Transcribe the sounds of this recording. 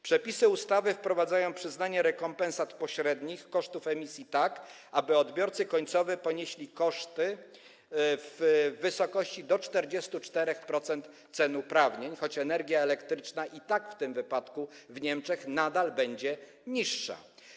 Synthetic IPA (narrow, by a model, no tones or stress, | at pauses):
pʂɛpʲisɘust̪avɘfpɾɔvad̪zajɔ̃w̃pʂɘznaɲɛɾɛkɔmpɛ̃nsat̪pɔɕɾɛd̪ɲixkɔʂt̪ufɛmʲisʲjit̪ak | abɘɔd̪bʲjɔɾt̪sɘkɔɲt̪sɔvɛpɔɲeɕlʲikɔʂt̪ɘ | vːɘsɔkɔɕt͡ɕid̪ɔt͡ʂt̪ɛɾd͡ʑɛst̪ut͡ʂt̪ɛɾɛxpɾɔt̪sɛnt̪ | t̪sɛnupɾavɲeɲxɔt͡ɕɛnɛɾɡʲjaɛlɛkt̪ɾɘt͡ʂnaʔit̪akft̪ɘmvɘpat̪kuvɲɛmt͡ʂɛxnad̪albɛɲd͡ʑɛ | ɲiʂːa̰